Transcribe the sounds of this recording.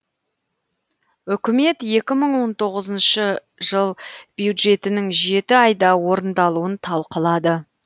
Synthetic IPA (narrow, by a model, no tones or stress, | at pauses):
ʏkʲɪme̞t̪je̞kʲɪməɴwo̞nt̪ʰo̞ʁəzənʃə | ʒəlˠb̥jud̪ʒe̞t̪ɪnɪŋʒe̞t̪ɪɑjd̪ɑwo̞ɾənd̪ɑlˠuənt̪ʰɑlˠqəlˠɑd̪ə